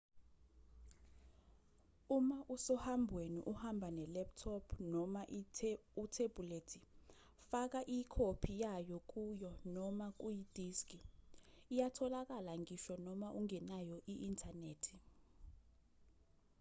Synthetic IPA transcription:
umaʔusɔhambʱweniʔuhambʱanɛlɛp̚tʰɔpʰnɔmaʔutʰeb̥ʱuletʰi | fak̬aʔikʰopʰijajɔk̬ʼujɔnɔmak̬ʼujid̥ʱiskʼi | ijatʰɔlak̬alaŋiʃɔnɔmaʔuŋɛnajɔʔiʔːntʰaneːtʰi̥

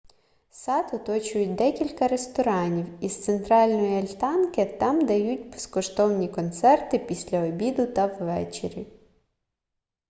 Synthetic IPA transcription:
sɑt̪ʊt̪ɔt͡ʃʊjʊt̚ʲd̪ɛkʲilʲkɐɾest̪ɔɾɑnʲiwist̪sent̪ɾɑlʲnɔjiɐlʲt̪ɑnkɪt̪ɑmd̪ɐjutʲbe̥skɔʃt̪ɔwnʲikɔnt̪sɛrt̪ɪpʲisʲlʲɐɔbʲid̪ʊt̪ɐwʋɛ̰t͡ʃeɾʲi

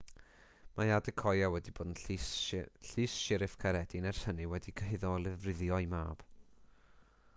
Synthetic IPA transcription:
majadɪkʰɔjawɛdiboːdn̩ | ɬɨːsʃɪɾɪfkʰaɾɛdinɛrsəniwɛdikʰəɦɪðɔlˠɪvrɪðjɔjma̰ːb̥

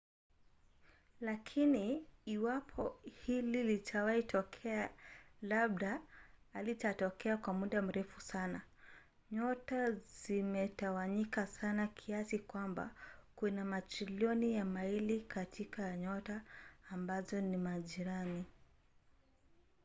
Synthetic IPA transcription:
lakʰiniːwapʰɔhililitʰawaitʰɔkʰɛalaɓ̚ɗaː | litatɔkʰɛakwamuɗam̩ɾɛfusana | ɲɔtazimɛtawaɲikasanakʰiasikwamba̰kunamatɾiliɔnijamailikatʰikaɲɔtaːmbazɔnimaʄiɾani

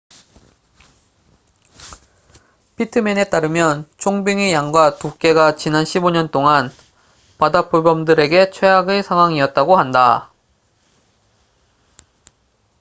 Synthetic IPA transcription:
pʰitʰɯmene̞t͈aɾɯmjʌnt͡ɕʰoŋbiŋijaŋɡwatuk͈e̞ɡat͡ɕinanɕʰiboɲʌnt͈oŋan | padap͈ubʌmdɯɾe̞ɡe̞t͡ɕʰwe̞jaɡɯɭsʰaŋɦwaŋiʌt̚t͈aɡohanda

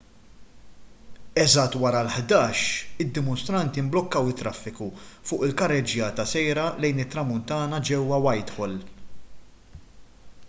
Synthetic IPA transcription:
ɛzɐt̪ːwɐɾɐlħd̪ɐːʃɪd̪ːɪmɔnst̪ɾɐnt̪iɪmblɔkːɐwɪt̪ːɾɐfːɪkufʊːʔɪlkɐrːɛd͡ʒjɐːt̪ɐsɛjɾɐlɛjnɪt̪ːɾɐmʊnt̪ɐːnɐd͡ʒɛwːɐwɐjt̪ħɔl

